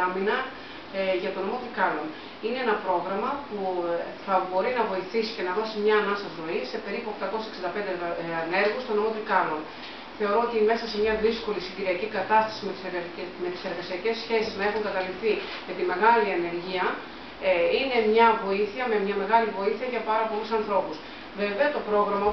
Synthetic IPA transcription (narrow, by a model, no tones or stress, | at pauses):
ɐminɐ | ʝɐt̪o̞nomo̞t̪ɾikɐlo̞n | inee̞nɐpɾo̞ɣɾɐmɐpuθɐbo̞ɾinɐvo̞iθisi̥ce̞nɐðo̞simɲɐːnɐsɐzɾo̞ise̞pe̞ɾipuoxt̪ɐko̞sseksind̪ɐpe̞nd̪eɐne̞ɾɣust̪o̞nomo̞t̪ɾikɐlo̞n | θe̞o̞ɾo̞ot̪ime̞sɐse̞mɲɐðisko̞lisiɟiɾiɐcikɐt̪ɐst̪ɐ̥simeme̞t̪i̥se̞ɾɣɐsiɐce̞sçe̞siznɐe̞xuŋkɐt̪ɐlifθi | me̞t̪ime̞ɣɐliɐne̞ɾʝiɐ | ine̞mɲɐvo̞iθiɐme̞mɲɐme̞ɣɐlivo̞iθiɐʝɐpɐɾɐpo̞lusɐnθɾo̞pus | veve̞ɐt̪o̞pɾo̞ɣɾɐmɐ